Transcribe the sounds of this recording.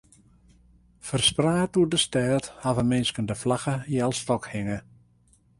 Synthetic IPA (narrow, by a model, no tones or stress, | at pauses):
fərspraːtudəstɛːthavəmɪnskəndəflaxəjɛlˠstɔkhɪŋə